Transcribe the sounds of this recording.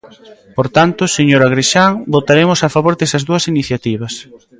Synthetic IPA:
poɾt̪ant̪ʊseɲoɾaɣɾiʃaŋbot̪aɾemʊsafaβoɾdesɐzðuɐsiniθjat̪iβ̞ɐs

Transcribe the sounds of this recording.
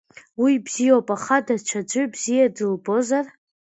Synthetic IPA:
wibz̥ijowpʼaχadat͡ʃʷʰad͡ʒʷɨbzijadɨlbo̞zar

